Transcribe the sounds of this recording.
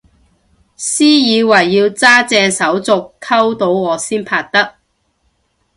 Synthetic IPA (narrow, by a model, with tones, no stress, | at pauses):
siː˥jiː˨˧wɐ˨˩jːiː˧wt͡saː˥t͡sɛː˧ŋsɐ˨˥wt͡sʊ˨kʰːɐ˥wt̪o˨˥wŋɔː˨˧siː˥npʰaː˧k̚t̪ɐ˥k̚